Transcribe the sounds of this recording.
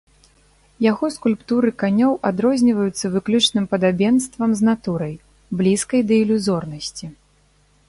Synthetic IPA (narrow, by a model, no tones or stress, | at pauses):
jaɣɔskulʲpt̪uɾɨkanʲɔwʔad̪ɾɔzʲnʲivɐjut̪sːɐvɨklʲut͡ʂnɨmpɐd̪abʲɛnst̪vɐmznat̪uɾɐj | blʲiskɐjd̪ɐilʲuzɔrnɐsʲt͡sʲi